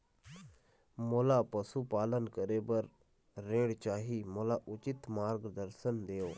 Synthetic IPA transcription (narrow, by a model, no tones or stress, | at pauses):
moːlaːpəsuːpaːlənkəɾeːbəɾː | eːɽt͡ʃaːɦiːmoːlaːʔʊt͡ʃɪt̪maːɾɡd̪əɾsənd̪eːoː